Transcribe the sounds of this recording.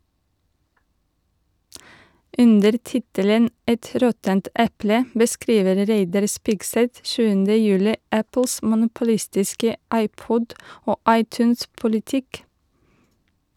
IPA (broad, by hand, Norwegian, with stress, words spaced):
ˈʔʉndəɾ ˈtɪtələn ˈɛt ˈɾɔtənt ˈʔɛplə bəˈskɾiːʋəɾ ˈɾæɪdɑɾ ˈspɪɡsɛt ˈʃʉːəndə ˈjʉːlɪ ˈæpl̩s mʊnʊpʊˈlɪstɪskə ˈɑɪˌpɔd ˈoː ˈɑɪˌtʉːns pʊlɪˈtɪk